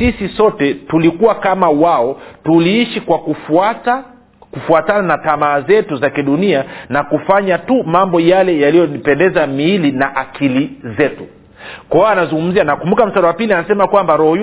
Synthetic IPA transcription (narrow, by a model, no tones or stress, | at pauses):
sisisɔtɛtulikuwakamawaɔtuliiʃikwakufata | kufuatananatamaːzɛtuzakiɗunianakufaɲatumambɔjalɛjalijɔnipɛndɛzamiilinaʔakʰilizɛtu | kɔanazuŋɡum̩zianakumbukam̩saɾawapilianasɛmakwambaɾɔhɔ